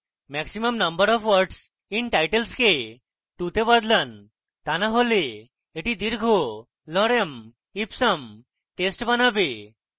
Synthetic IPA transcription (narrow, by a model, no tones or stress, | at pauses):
mɛksiməmnəmbəɾɔfʋɔɾɖs | inʈajʈelske | ʈut̪ebad̪lan | t̪anaɦoleː | ʈid̪iɾɡʱo | lɔɾem | ipsəm | ʈesʈbanabi